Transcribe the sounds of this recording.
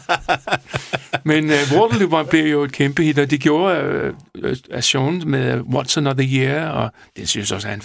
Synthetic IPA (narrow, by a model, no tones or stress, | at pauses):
menʋod̥əlubɐnb̥liɐjo̝e̝d̥̚kʰemb̥əhid̥ɒd̥eɡ̥jo̝ːɐ | æsoːnmeðˠwɒd̥sənɒðəjiɐɒ | d̥esynsɔsæn